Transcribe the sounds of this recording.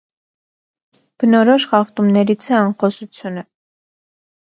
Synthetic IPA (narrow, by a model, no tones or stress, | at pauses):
b̥ənɔɾɔʃχɑχt̪umnɛɾit͡sʰɛɑnχɔsut͡sʰjunə